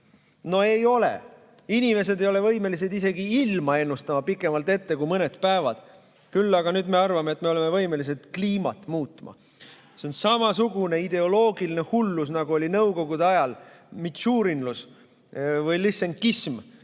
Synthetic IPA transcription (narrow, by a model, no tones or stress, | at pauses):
no̞e̞jo̞lḛ | inʲime̞s̬e̞d̪e̞jo̞le̞vɤ̞jme̞lis̬ed̪ise̞ɡiilmɑe̞nːust̪ɑmɑpikːˑe̞mɑlt̪e̞t̪ːe̞kujmɤne̞t̪pæevɑd̪̥ | kylːɑɡ̥ɑnyːd̪me̞ɑrvɑmeet̪ːˑmeo̞le̞me̞vɤ̞jme̞lis̬e̞t̪kliːmɑ̰t̪ˑmuːt̪ːˑmɑ̰ | se̞onsɑmɑsuɡune̞id̪̥e̞o̞lo̞ːɡiline̞hulːus̬nɑɡuolʲinɤwko̞ɡ̥ud̪eɑjɑl | mit̪ʃuːɾinlus | vɯjliseŋkism